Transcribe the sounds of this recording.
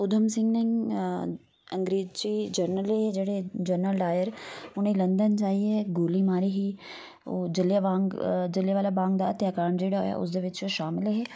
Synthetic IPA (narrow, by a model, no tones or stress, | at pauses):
ʊd̪ʱəmsɪ̃ŋɡnẽŋ | ɐ̃ŋɡɾeːzt͡ʃid͡ʒəɾnəleɦed͡ʒeːɽed͡ʒəɾnəlɖaːjəɾʊnĩlɐ̃nd̪ənt͡ʃaːɦiɛɡoːliːmaːɾiɦiː | o̰ːd͡ʒɪljabãːŋɡd͡ʒɪljaʋaːlaːbãːŋɡd̪aːɐt̪jaːkaːɾɳd͡ʒeːɽaɦo̰ja̰ʔʊ̰s̬d̪eːʋɪt͡ʃːʃaːmɪlːɦeː